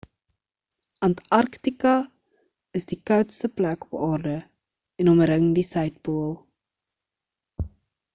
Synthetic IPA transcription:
ɐntɐrktikɐ | əsdikœwtstəplækɔ̥pɑːrdə | ɛnɔməɾəŋdisɛjt̚buəlˠ

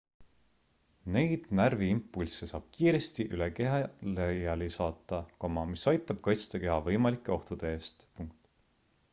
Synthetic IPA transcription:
ne̞jd̪̥nærviimpːulsesɑːb̥kiːɾe̞st̪iʔylekeɦɑlejɑlisɑːt̪ːˑɑkomɑmisɑjt̪ːˑɑb̥̚kɑjt̪st̪ɑke̞ɦɑvɤjmɑlikːˑe̞o̞ht̪ud̪̥eeːst̪puŋk̚t̪ˑ

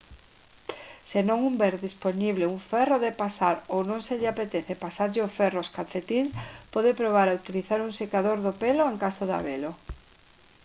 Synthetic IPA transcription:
senõŋumbɛɾðisponiβleuɱfɛroðepasaɾownõŋseʎɪapet̪ɛθepasaɾʎɪofɛroskanθet̪inspɔðepɾoβ̞aɾaut̪iliθaɾuŋsekaðoɾðopeloeŋkasoða̰βelo

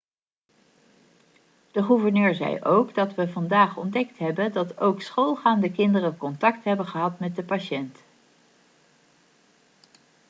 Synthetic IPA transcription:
d̥əχuvəɹnøːɹzɛ̰jʔowɡdɑtʋəvɑndaːχɔ̰ndɛktɦɛbəndɑtowksχolˠχaːndəkɪndərənkɔntɑktɦɛbənχəɦɑtmɛt̚dəpaʃɛnt

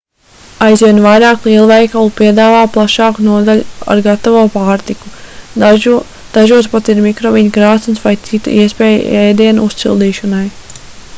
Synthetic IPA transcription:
ajzviɛnvajɾaːklˠiɛlˠuvɛjkalˠupiɛd̪aːvaːplˠaʃɑːkunuɔd̪aʎua̰ɾɡat̪avuːpaːɾt̪iku | d̪̥aʒuɔspat̪iɾmikɾɔviɲkɾaːt̪nsvajt̪sit̪ṵiɛspɛːj̰ɛːd̪iɛnuust̪sḭlˠd̪iːʃɔnaj

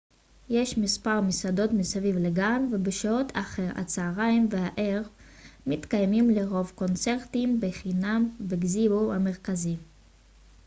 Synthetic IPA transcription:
je̞ʃmispaʁmisado̞tmisavivleɡanvebeʃaotʰaχeʁa̰t͡saːʁajmveaʔeʁ | mit̪kajmimle̞ʁo̞vko̞nt͡se̞ʁt̪imbeχinambeɡziboame̞ʁkazi

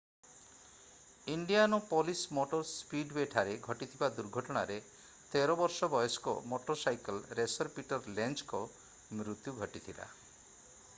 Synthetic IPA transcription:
iɳɖijanɔpɔlismoʈɔɾspiɖbeʈʰaɾeɡʱɔʈit̪ʰibad̪uɾɡʱɔʈɔɽ̃aɾe | t̪eɾɔbɔɾsɔbɔjɔskɔ̰moʈɔɾsajkelɾesɔɾpiʈɔɾlent͡ʃkɔ | mɾut̪juɡʱɔʈit̪ʰila̰

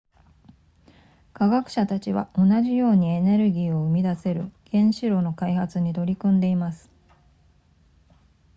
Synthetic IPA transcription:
kaɡakɯ̟̥ɕat̪at͡ɕiβa̰o̞naʑijo̞ːɲ̟ie̞ne̞ɾɯ̟ɡʲiːo̞ɯ̟mʲid̪ase̞ɾɯ̟ɡ̥ẽ̞ɰ̃ɕiɾo̞ːno̞kaihat͡sɨɲ̟it̪o̞ɾʲikɯ̟̃nd̪e̞imasɨ̥

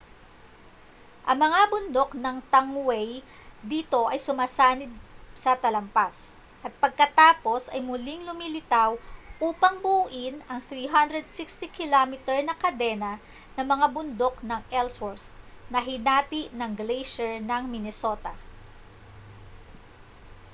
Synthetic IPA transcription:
ʔɐŋmɐŋabʊnd̪o̞knɐŋt̪ɐŋwɛj | d̪iːt̪o̞ʔɐjsʊmaːsaːnɪd̪̚sɐt̪ɐlɐmpas | ʔɐt̪̚pɐɡ̚kɐt̪aːpo̞sʔɐjmʊlɪŋlʊmilɪt̪awʔuːpɐŋbuʔɪnɐŋθɾiːɦɐnd̪ɾɛd̪sɪkst̪ikɪlomɪt̪ɛɹnɐkɐd̪ɛnɐ | nɐmɐŋabʊnd̪o̞knɐŋɛlsoɹsnɐɦɪnaːt̪iʔnɐŋɡlejʃɛɹnɐŋmɪnɛso̞t̪ɐ

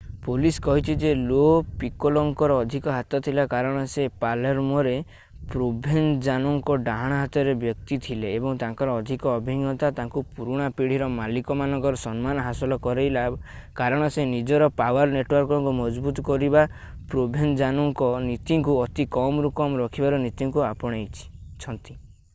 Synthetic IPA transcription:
puliskɔɦit͡ʃ̪ʰid͡ʒelopikɔlɔŋkɔɾɔːd̪ʱikɔɦat̪ɔt̪ʰilakaɾɔɽ̃ɔsepalɔɾmɔɾe | pɾobʱend͡ʒanɔŋkɔɖaɦaɽ̃aɦat̪ɔɾebjɔk̚t̪it̪ʰileːbɔŋt̪ãŋkɔɾɔːd̪ʱikɔːbʱiŋjɔt̪at̪aŋkupuɾuɽ̃apiɽ̤iɾɔmalikɔmanɔŋkɔɾɔsɔnmanɔɦasɔlɔkɔɾejla | kaɾɔɽ̃ɔsenid͡ʒɔɾɔpawɔɾneʈwɔɾkɔŋkumɔd͡ʒbut̪ɔkɔɾiba | pɾobʱend͡ʒanɔŋkɔnit̪iŋkuɔt̪ikɔmɾukɔmɾɔkʰibaɾɔnit̪iŋkuapɔɽ̃ejt͡ʃʰi̥t͡ʃʰɔnt̪i̥

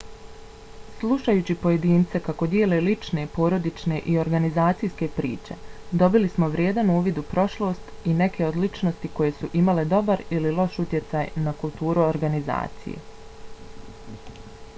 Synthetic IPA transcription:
slˠuʃajuːt͡ɕipo̞je̞d̪iːnt̪se̞kako̞d̪jeːle̞lit͡ʃne̞po̞ːɾo̞d̪it͡ʃne̞ʔio̞ɾɡanizaːt̪sijske̞pɾḭːt͡ʃe̞̰d̪o̞bilismo̞ʋɾʲjeːd̪anuuːʋjid̪upɾo̞ʃlˠo̞st̪ine̞kʰe̞od̪lit͡ʃnost̪iko̞je̞suʔimale̞d̪o̞baɾililˠo̞ʃut̪je̞t̪sajnakulˠt̪uːɾuoɾɡaniza̰ːt̪sḭjḛ

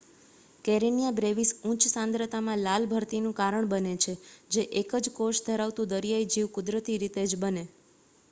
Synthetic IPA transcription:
keɾinijabɾeʋisũt͡ʃsãnd̪ɾət̪amãlalbʱəɾt̪inũkaɾəɳbənet͡ʃʰed͡ʒeʔekəd͡ʒkoʃd̪ʱəɾaʋt̪ũd̪əɾijaid͡ʒiʋkʊd̪ɾət̪iɾit̪ed͡ʒbəne

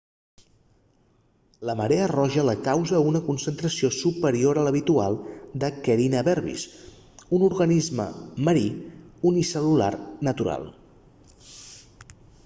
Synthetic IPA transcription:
ləməɾeərɔʒələkawzəunəkunsənt̪ɾəsiosupəɾioɾələβ̞it̪ua̰lˠd̪əkəɾinəβɛɾβḭs | unuɾɣənizmə̰məɾiunisəlula̰rnət̪uɾa̰lˠ

